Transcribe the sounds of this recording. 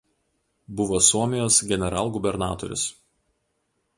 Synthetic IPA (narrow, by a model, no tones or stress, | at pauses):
bʊʋoːsuɔmʲɪjoːsɡʲɛnʲɛɾɑ̰ːlˠɡʊbʲɛɾnɑːt̪ɔ̰ɾʲʊ̰s